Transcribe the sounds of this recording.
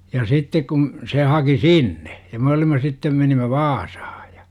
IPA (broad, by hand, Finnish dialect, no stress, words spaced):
jɑ sitːek kun̞ se hɑki sinːe jɑ me olimˑɑ sitːem menimˑæ ʋɑːsɑ̥hɑ̥ j̊ɑ̥